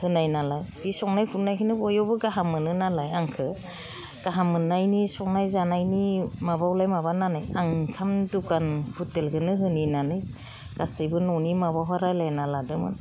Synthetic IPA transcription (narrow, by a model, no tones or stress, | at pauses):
hɯnajnalajbisɔŋnajkʰunajkʰinɯbɔjɔbɯɡaɦamɯnɯnalajaŋkʰɯ | ɡ̥aɦamɯnajnisɔk̚najzanajnimabawlajmabananajaŋkʰamdukanhutelɡɯnɯɦɯninanɯj | ɡ̥asɯjbɯnɔnimabawɦaɾajlajnaladɯmɯ̰n